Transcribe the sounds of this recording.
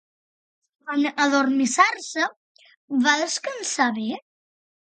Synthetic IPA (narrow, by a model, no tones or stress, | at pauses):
anəðormisarsə | βaðəskənsaβe